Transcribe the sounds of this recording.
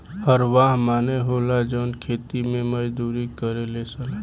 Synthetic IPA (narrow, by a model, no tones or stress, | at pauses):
həɾʋaːɦmaːneɦoːlad͡ʒoːnkʰeːt̪imẽməd͡ʒd̪uːɾikəɾelesəl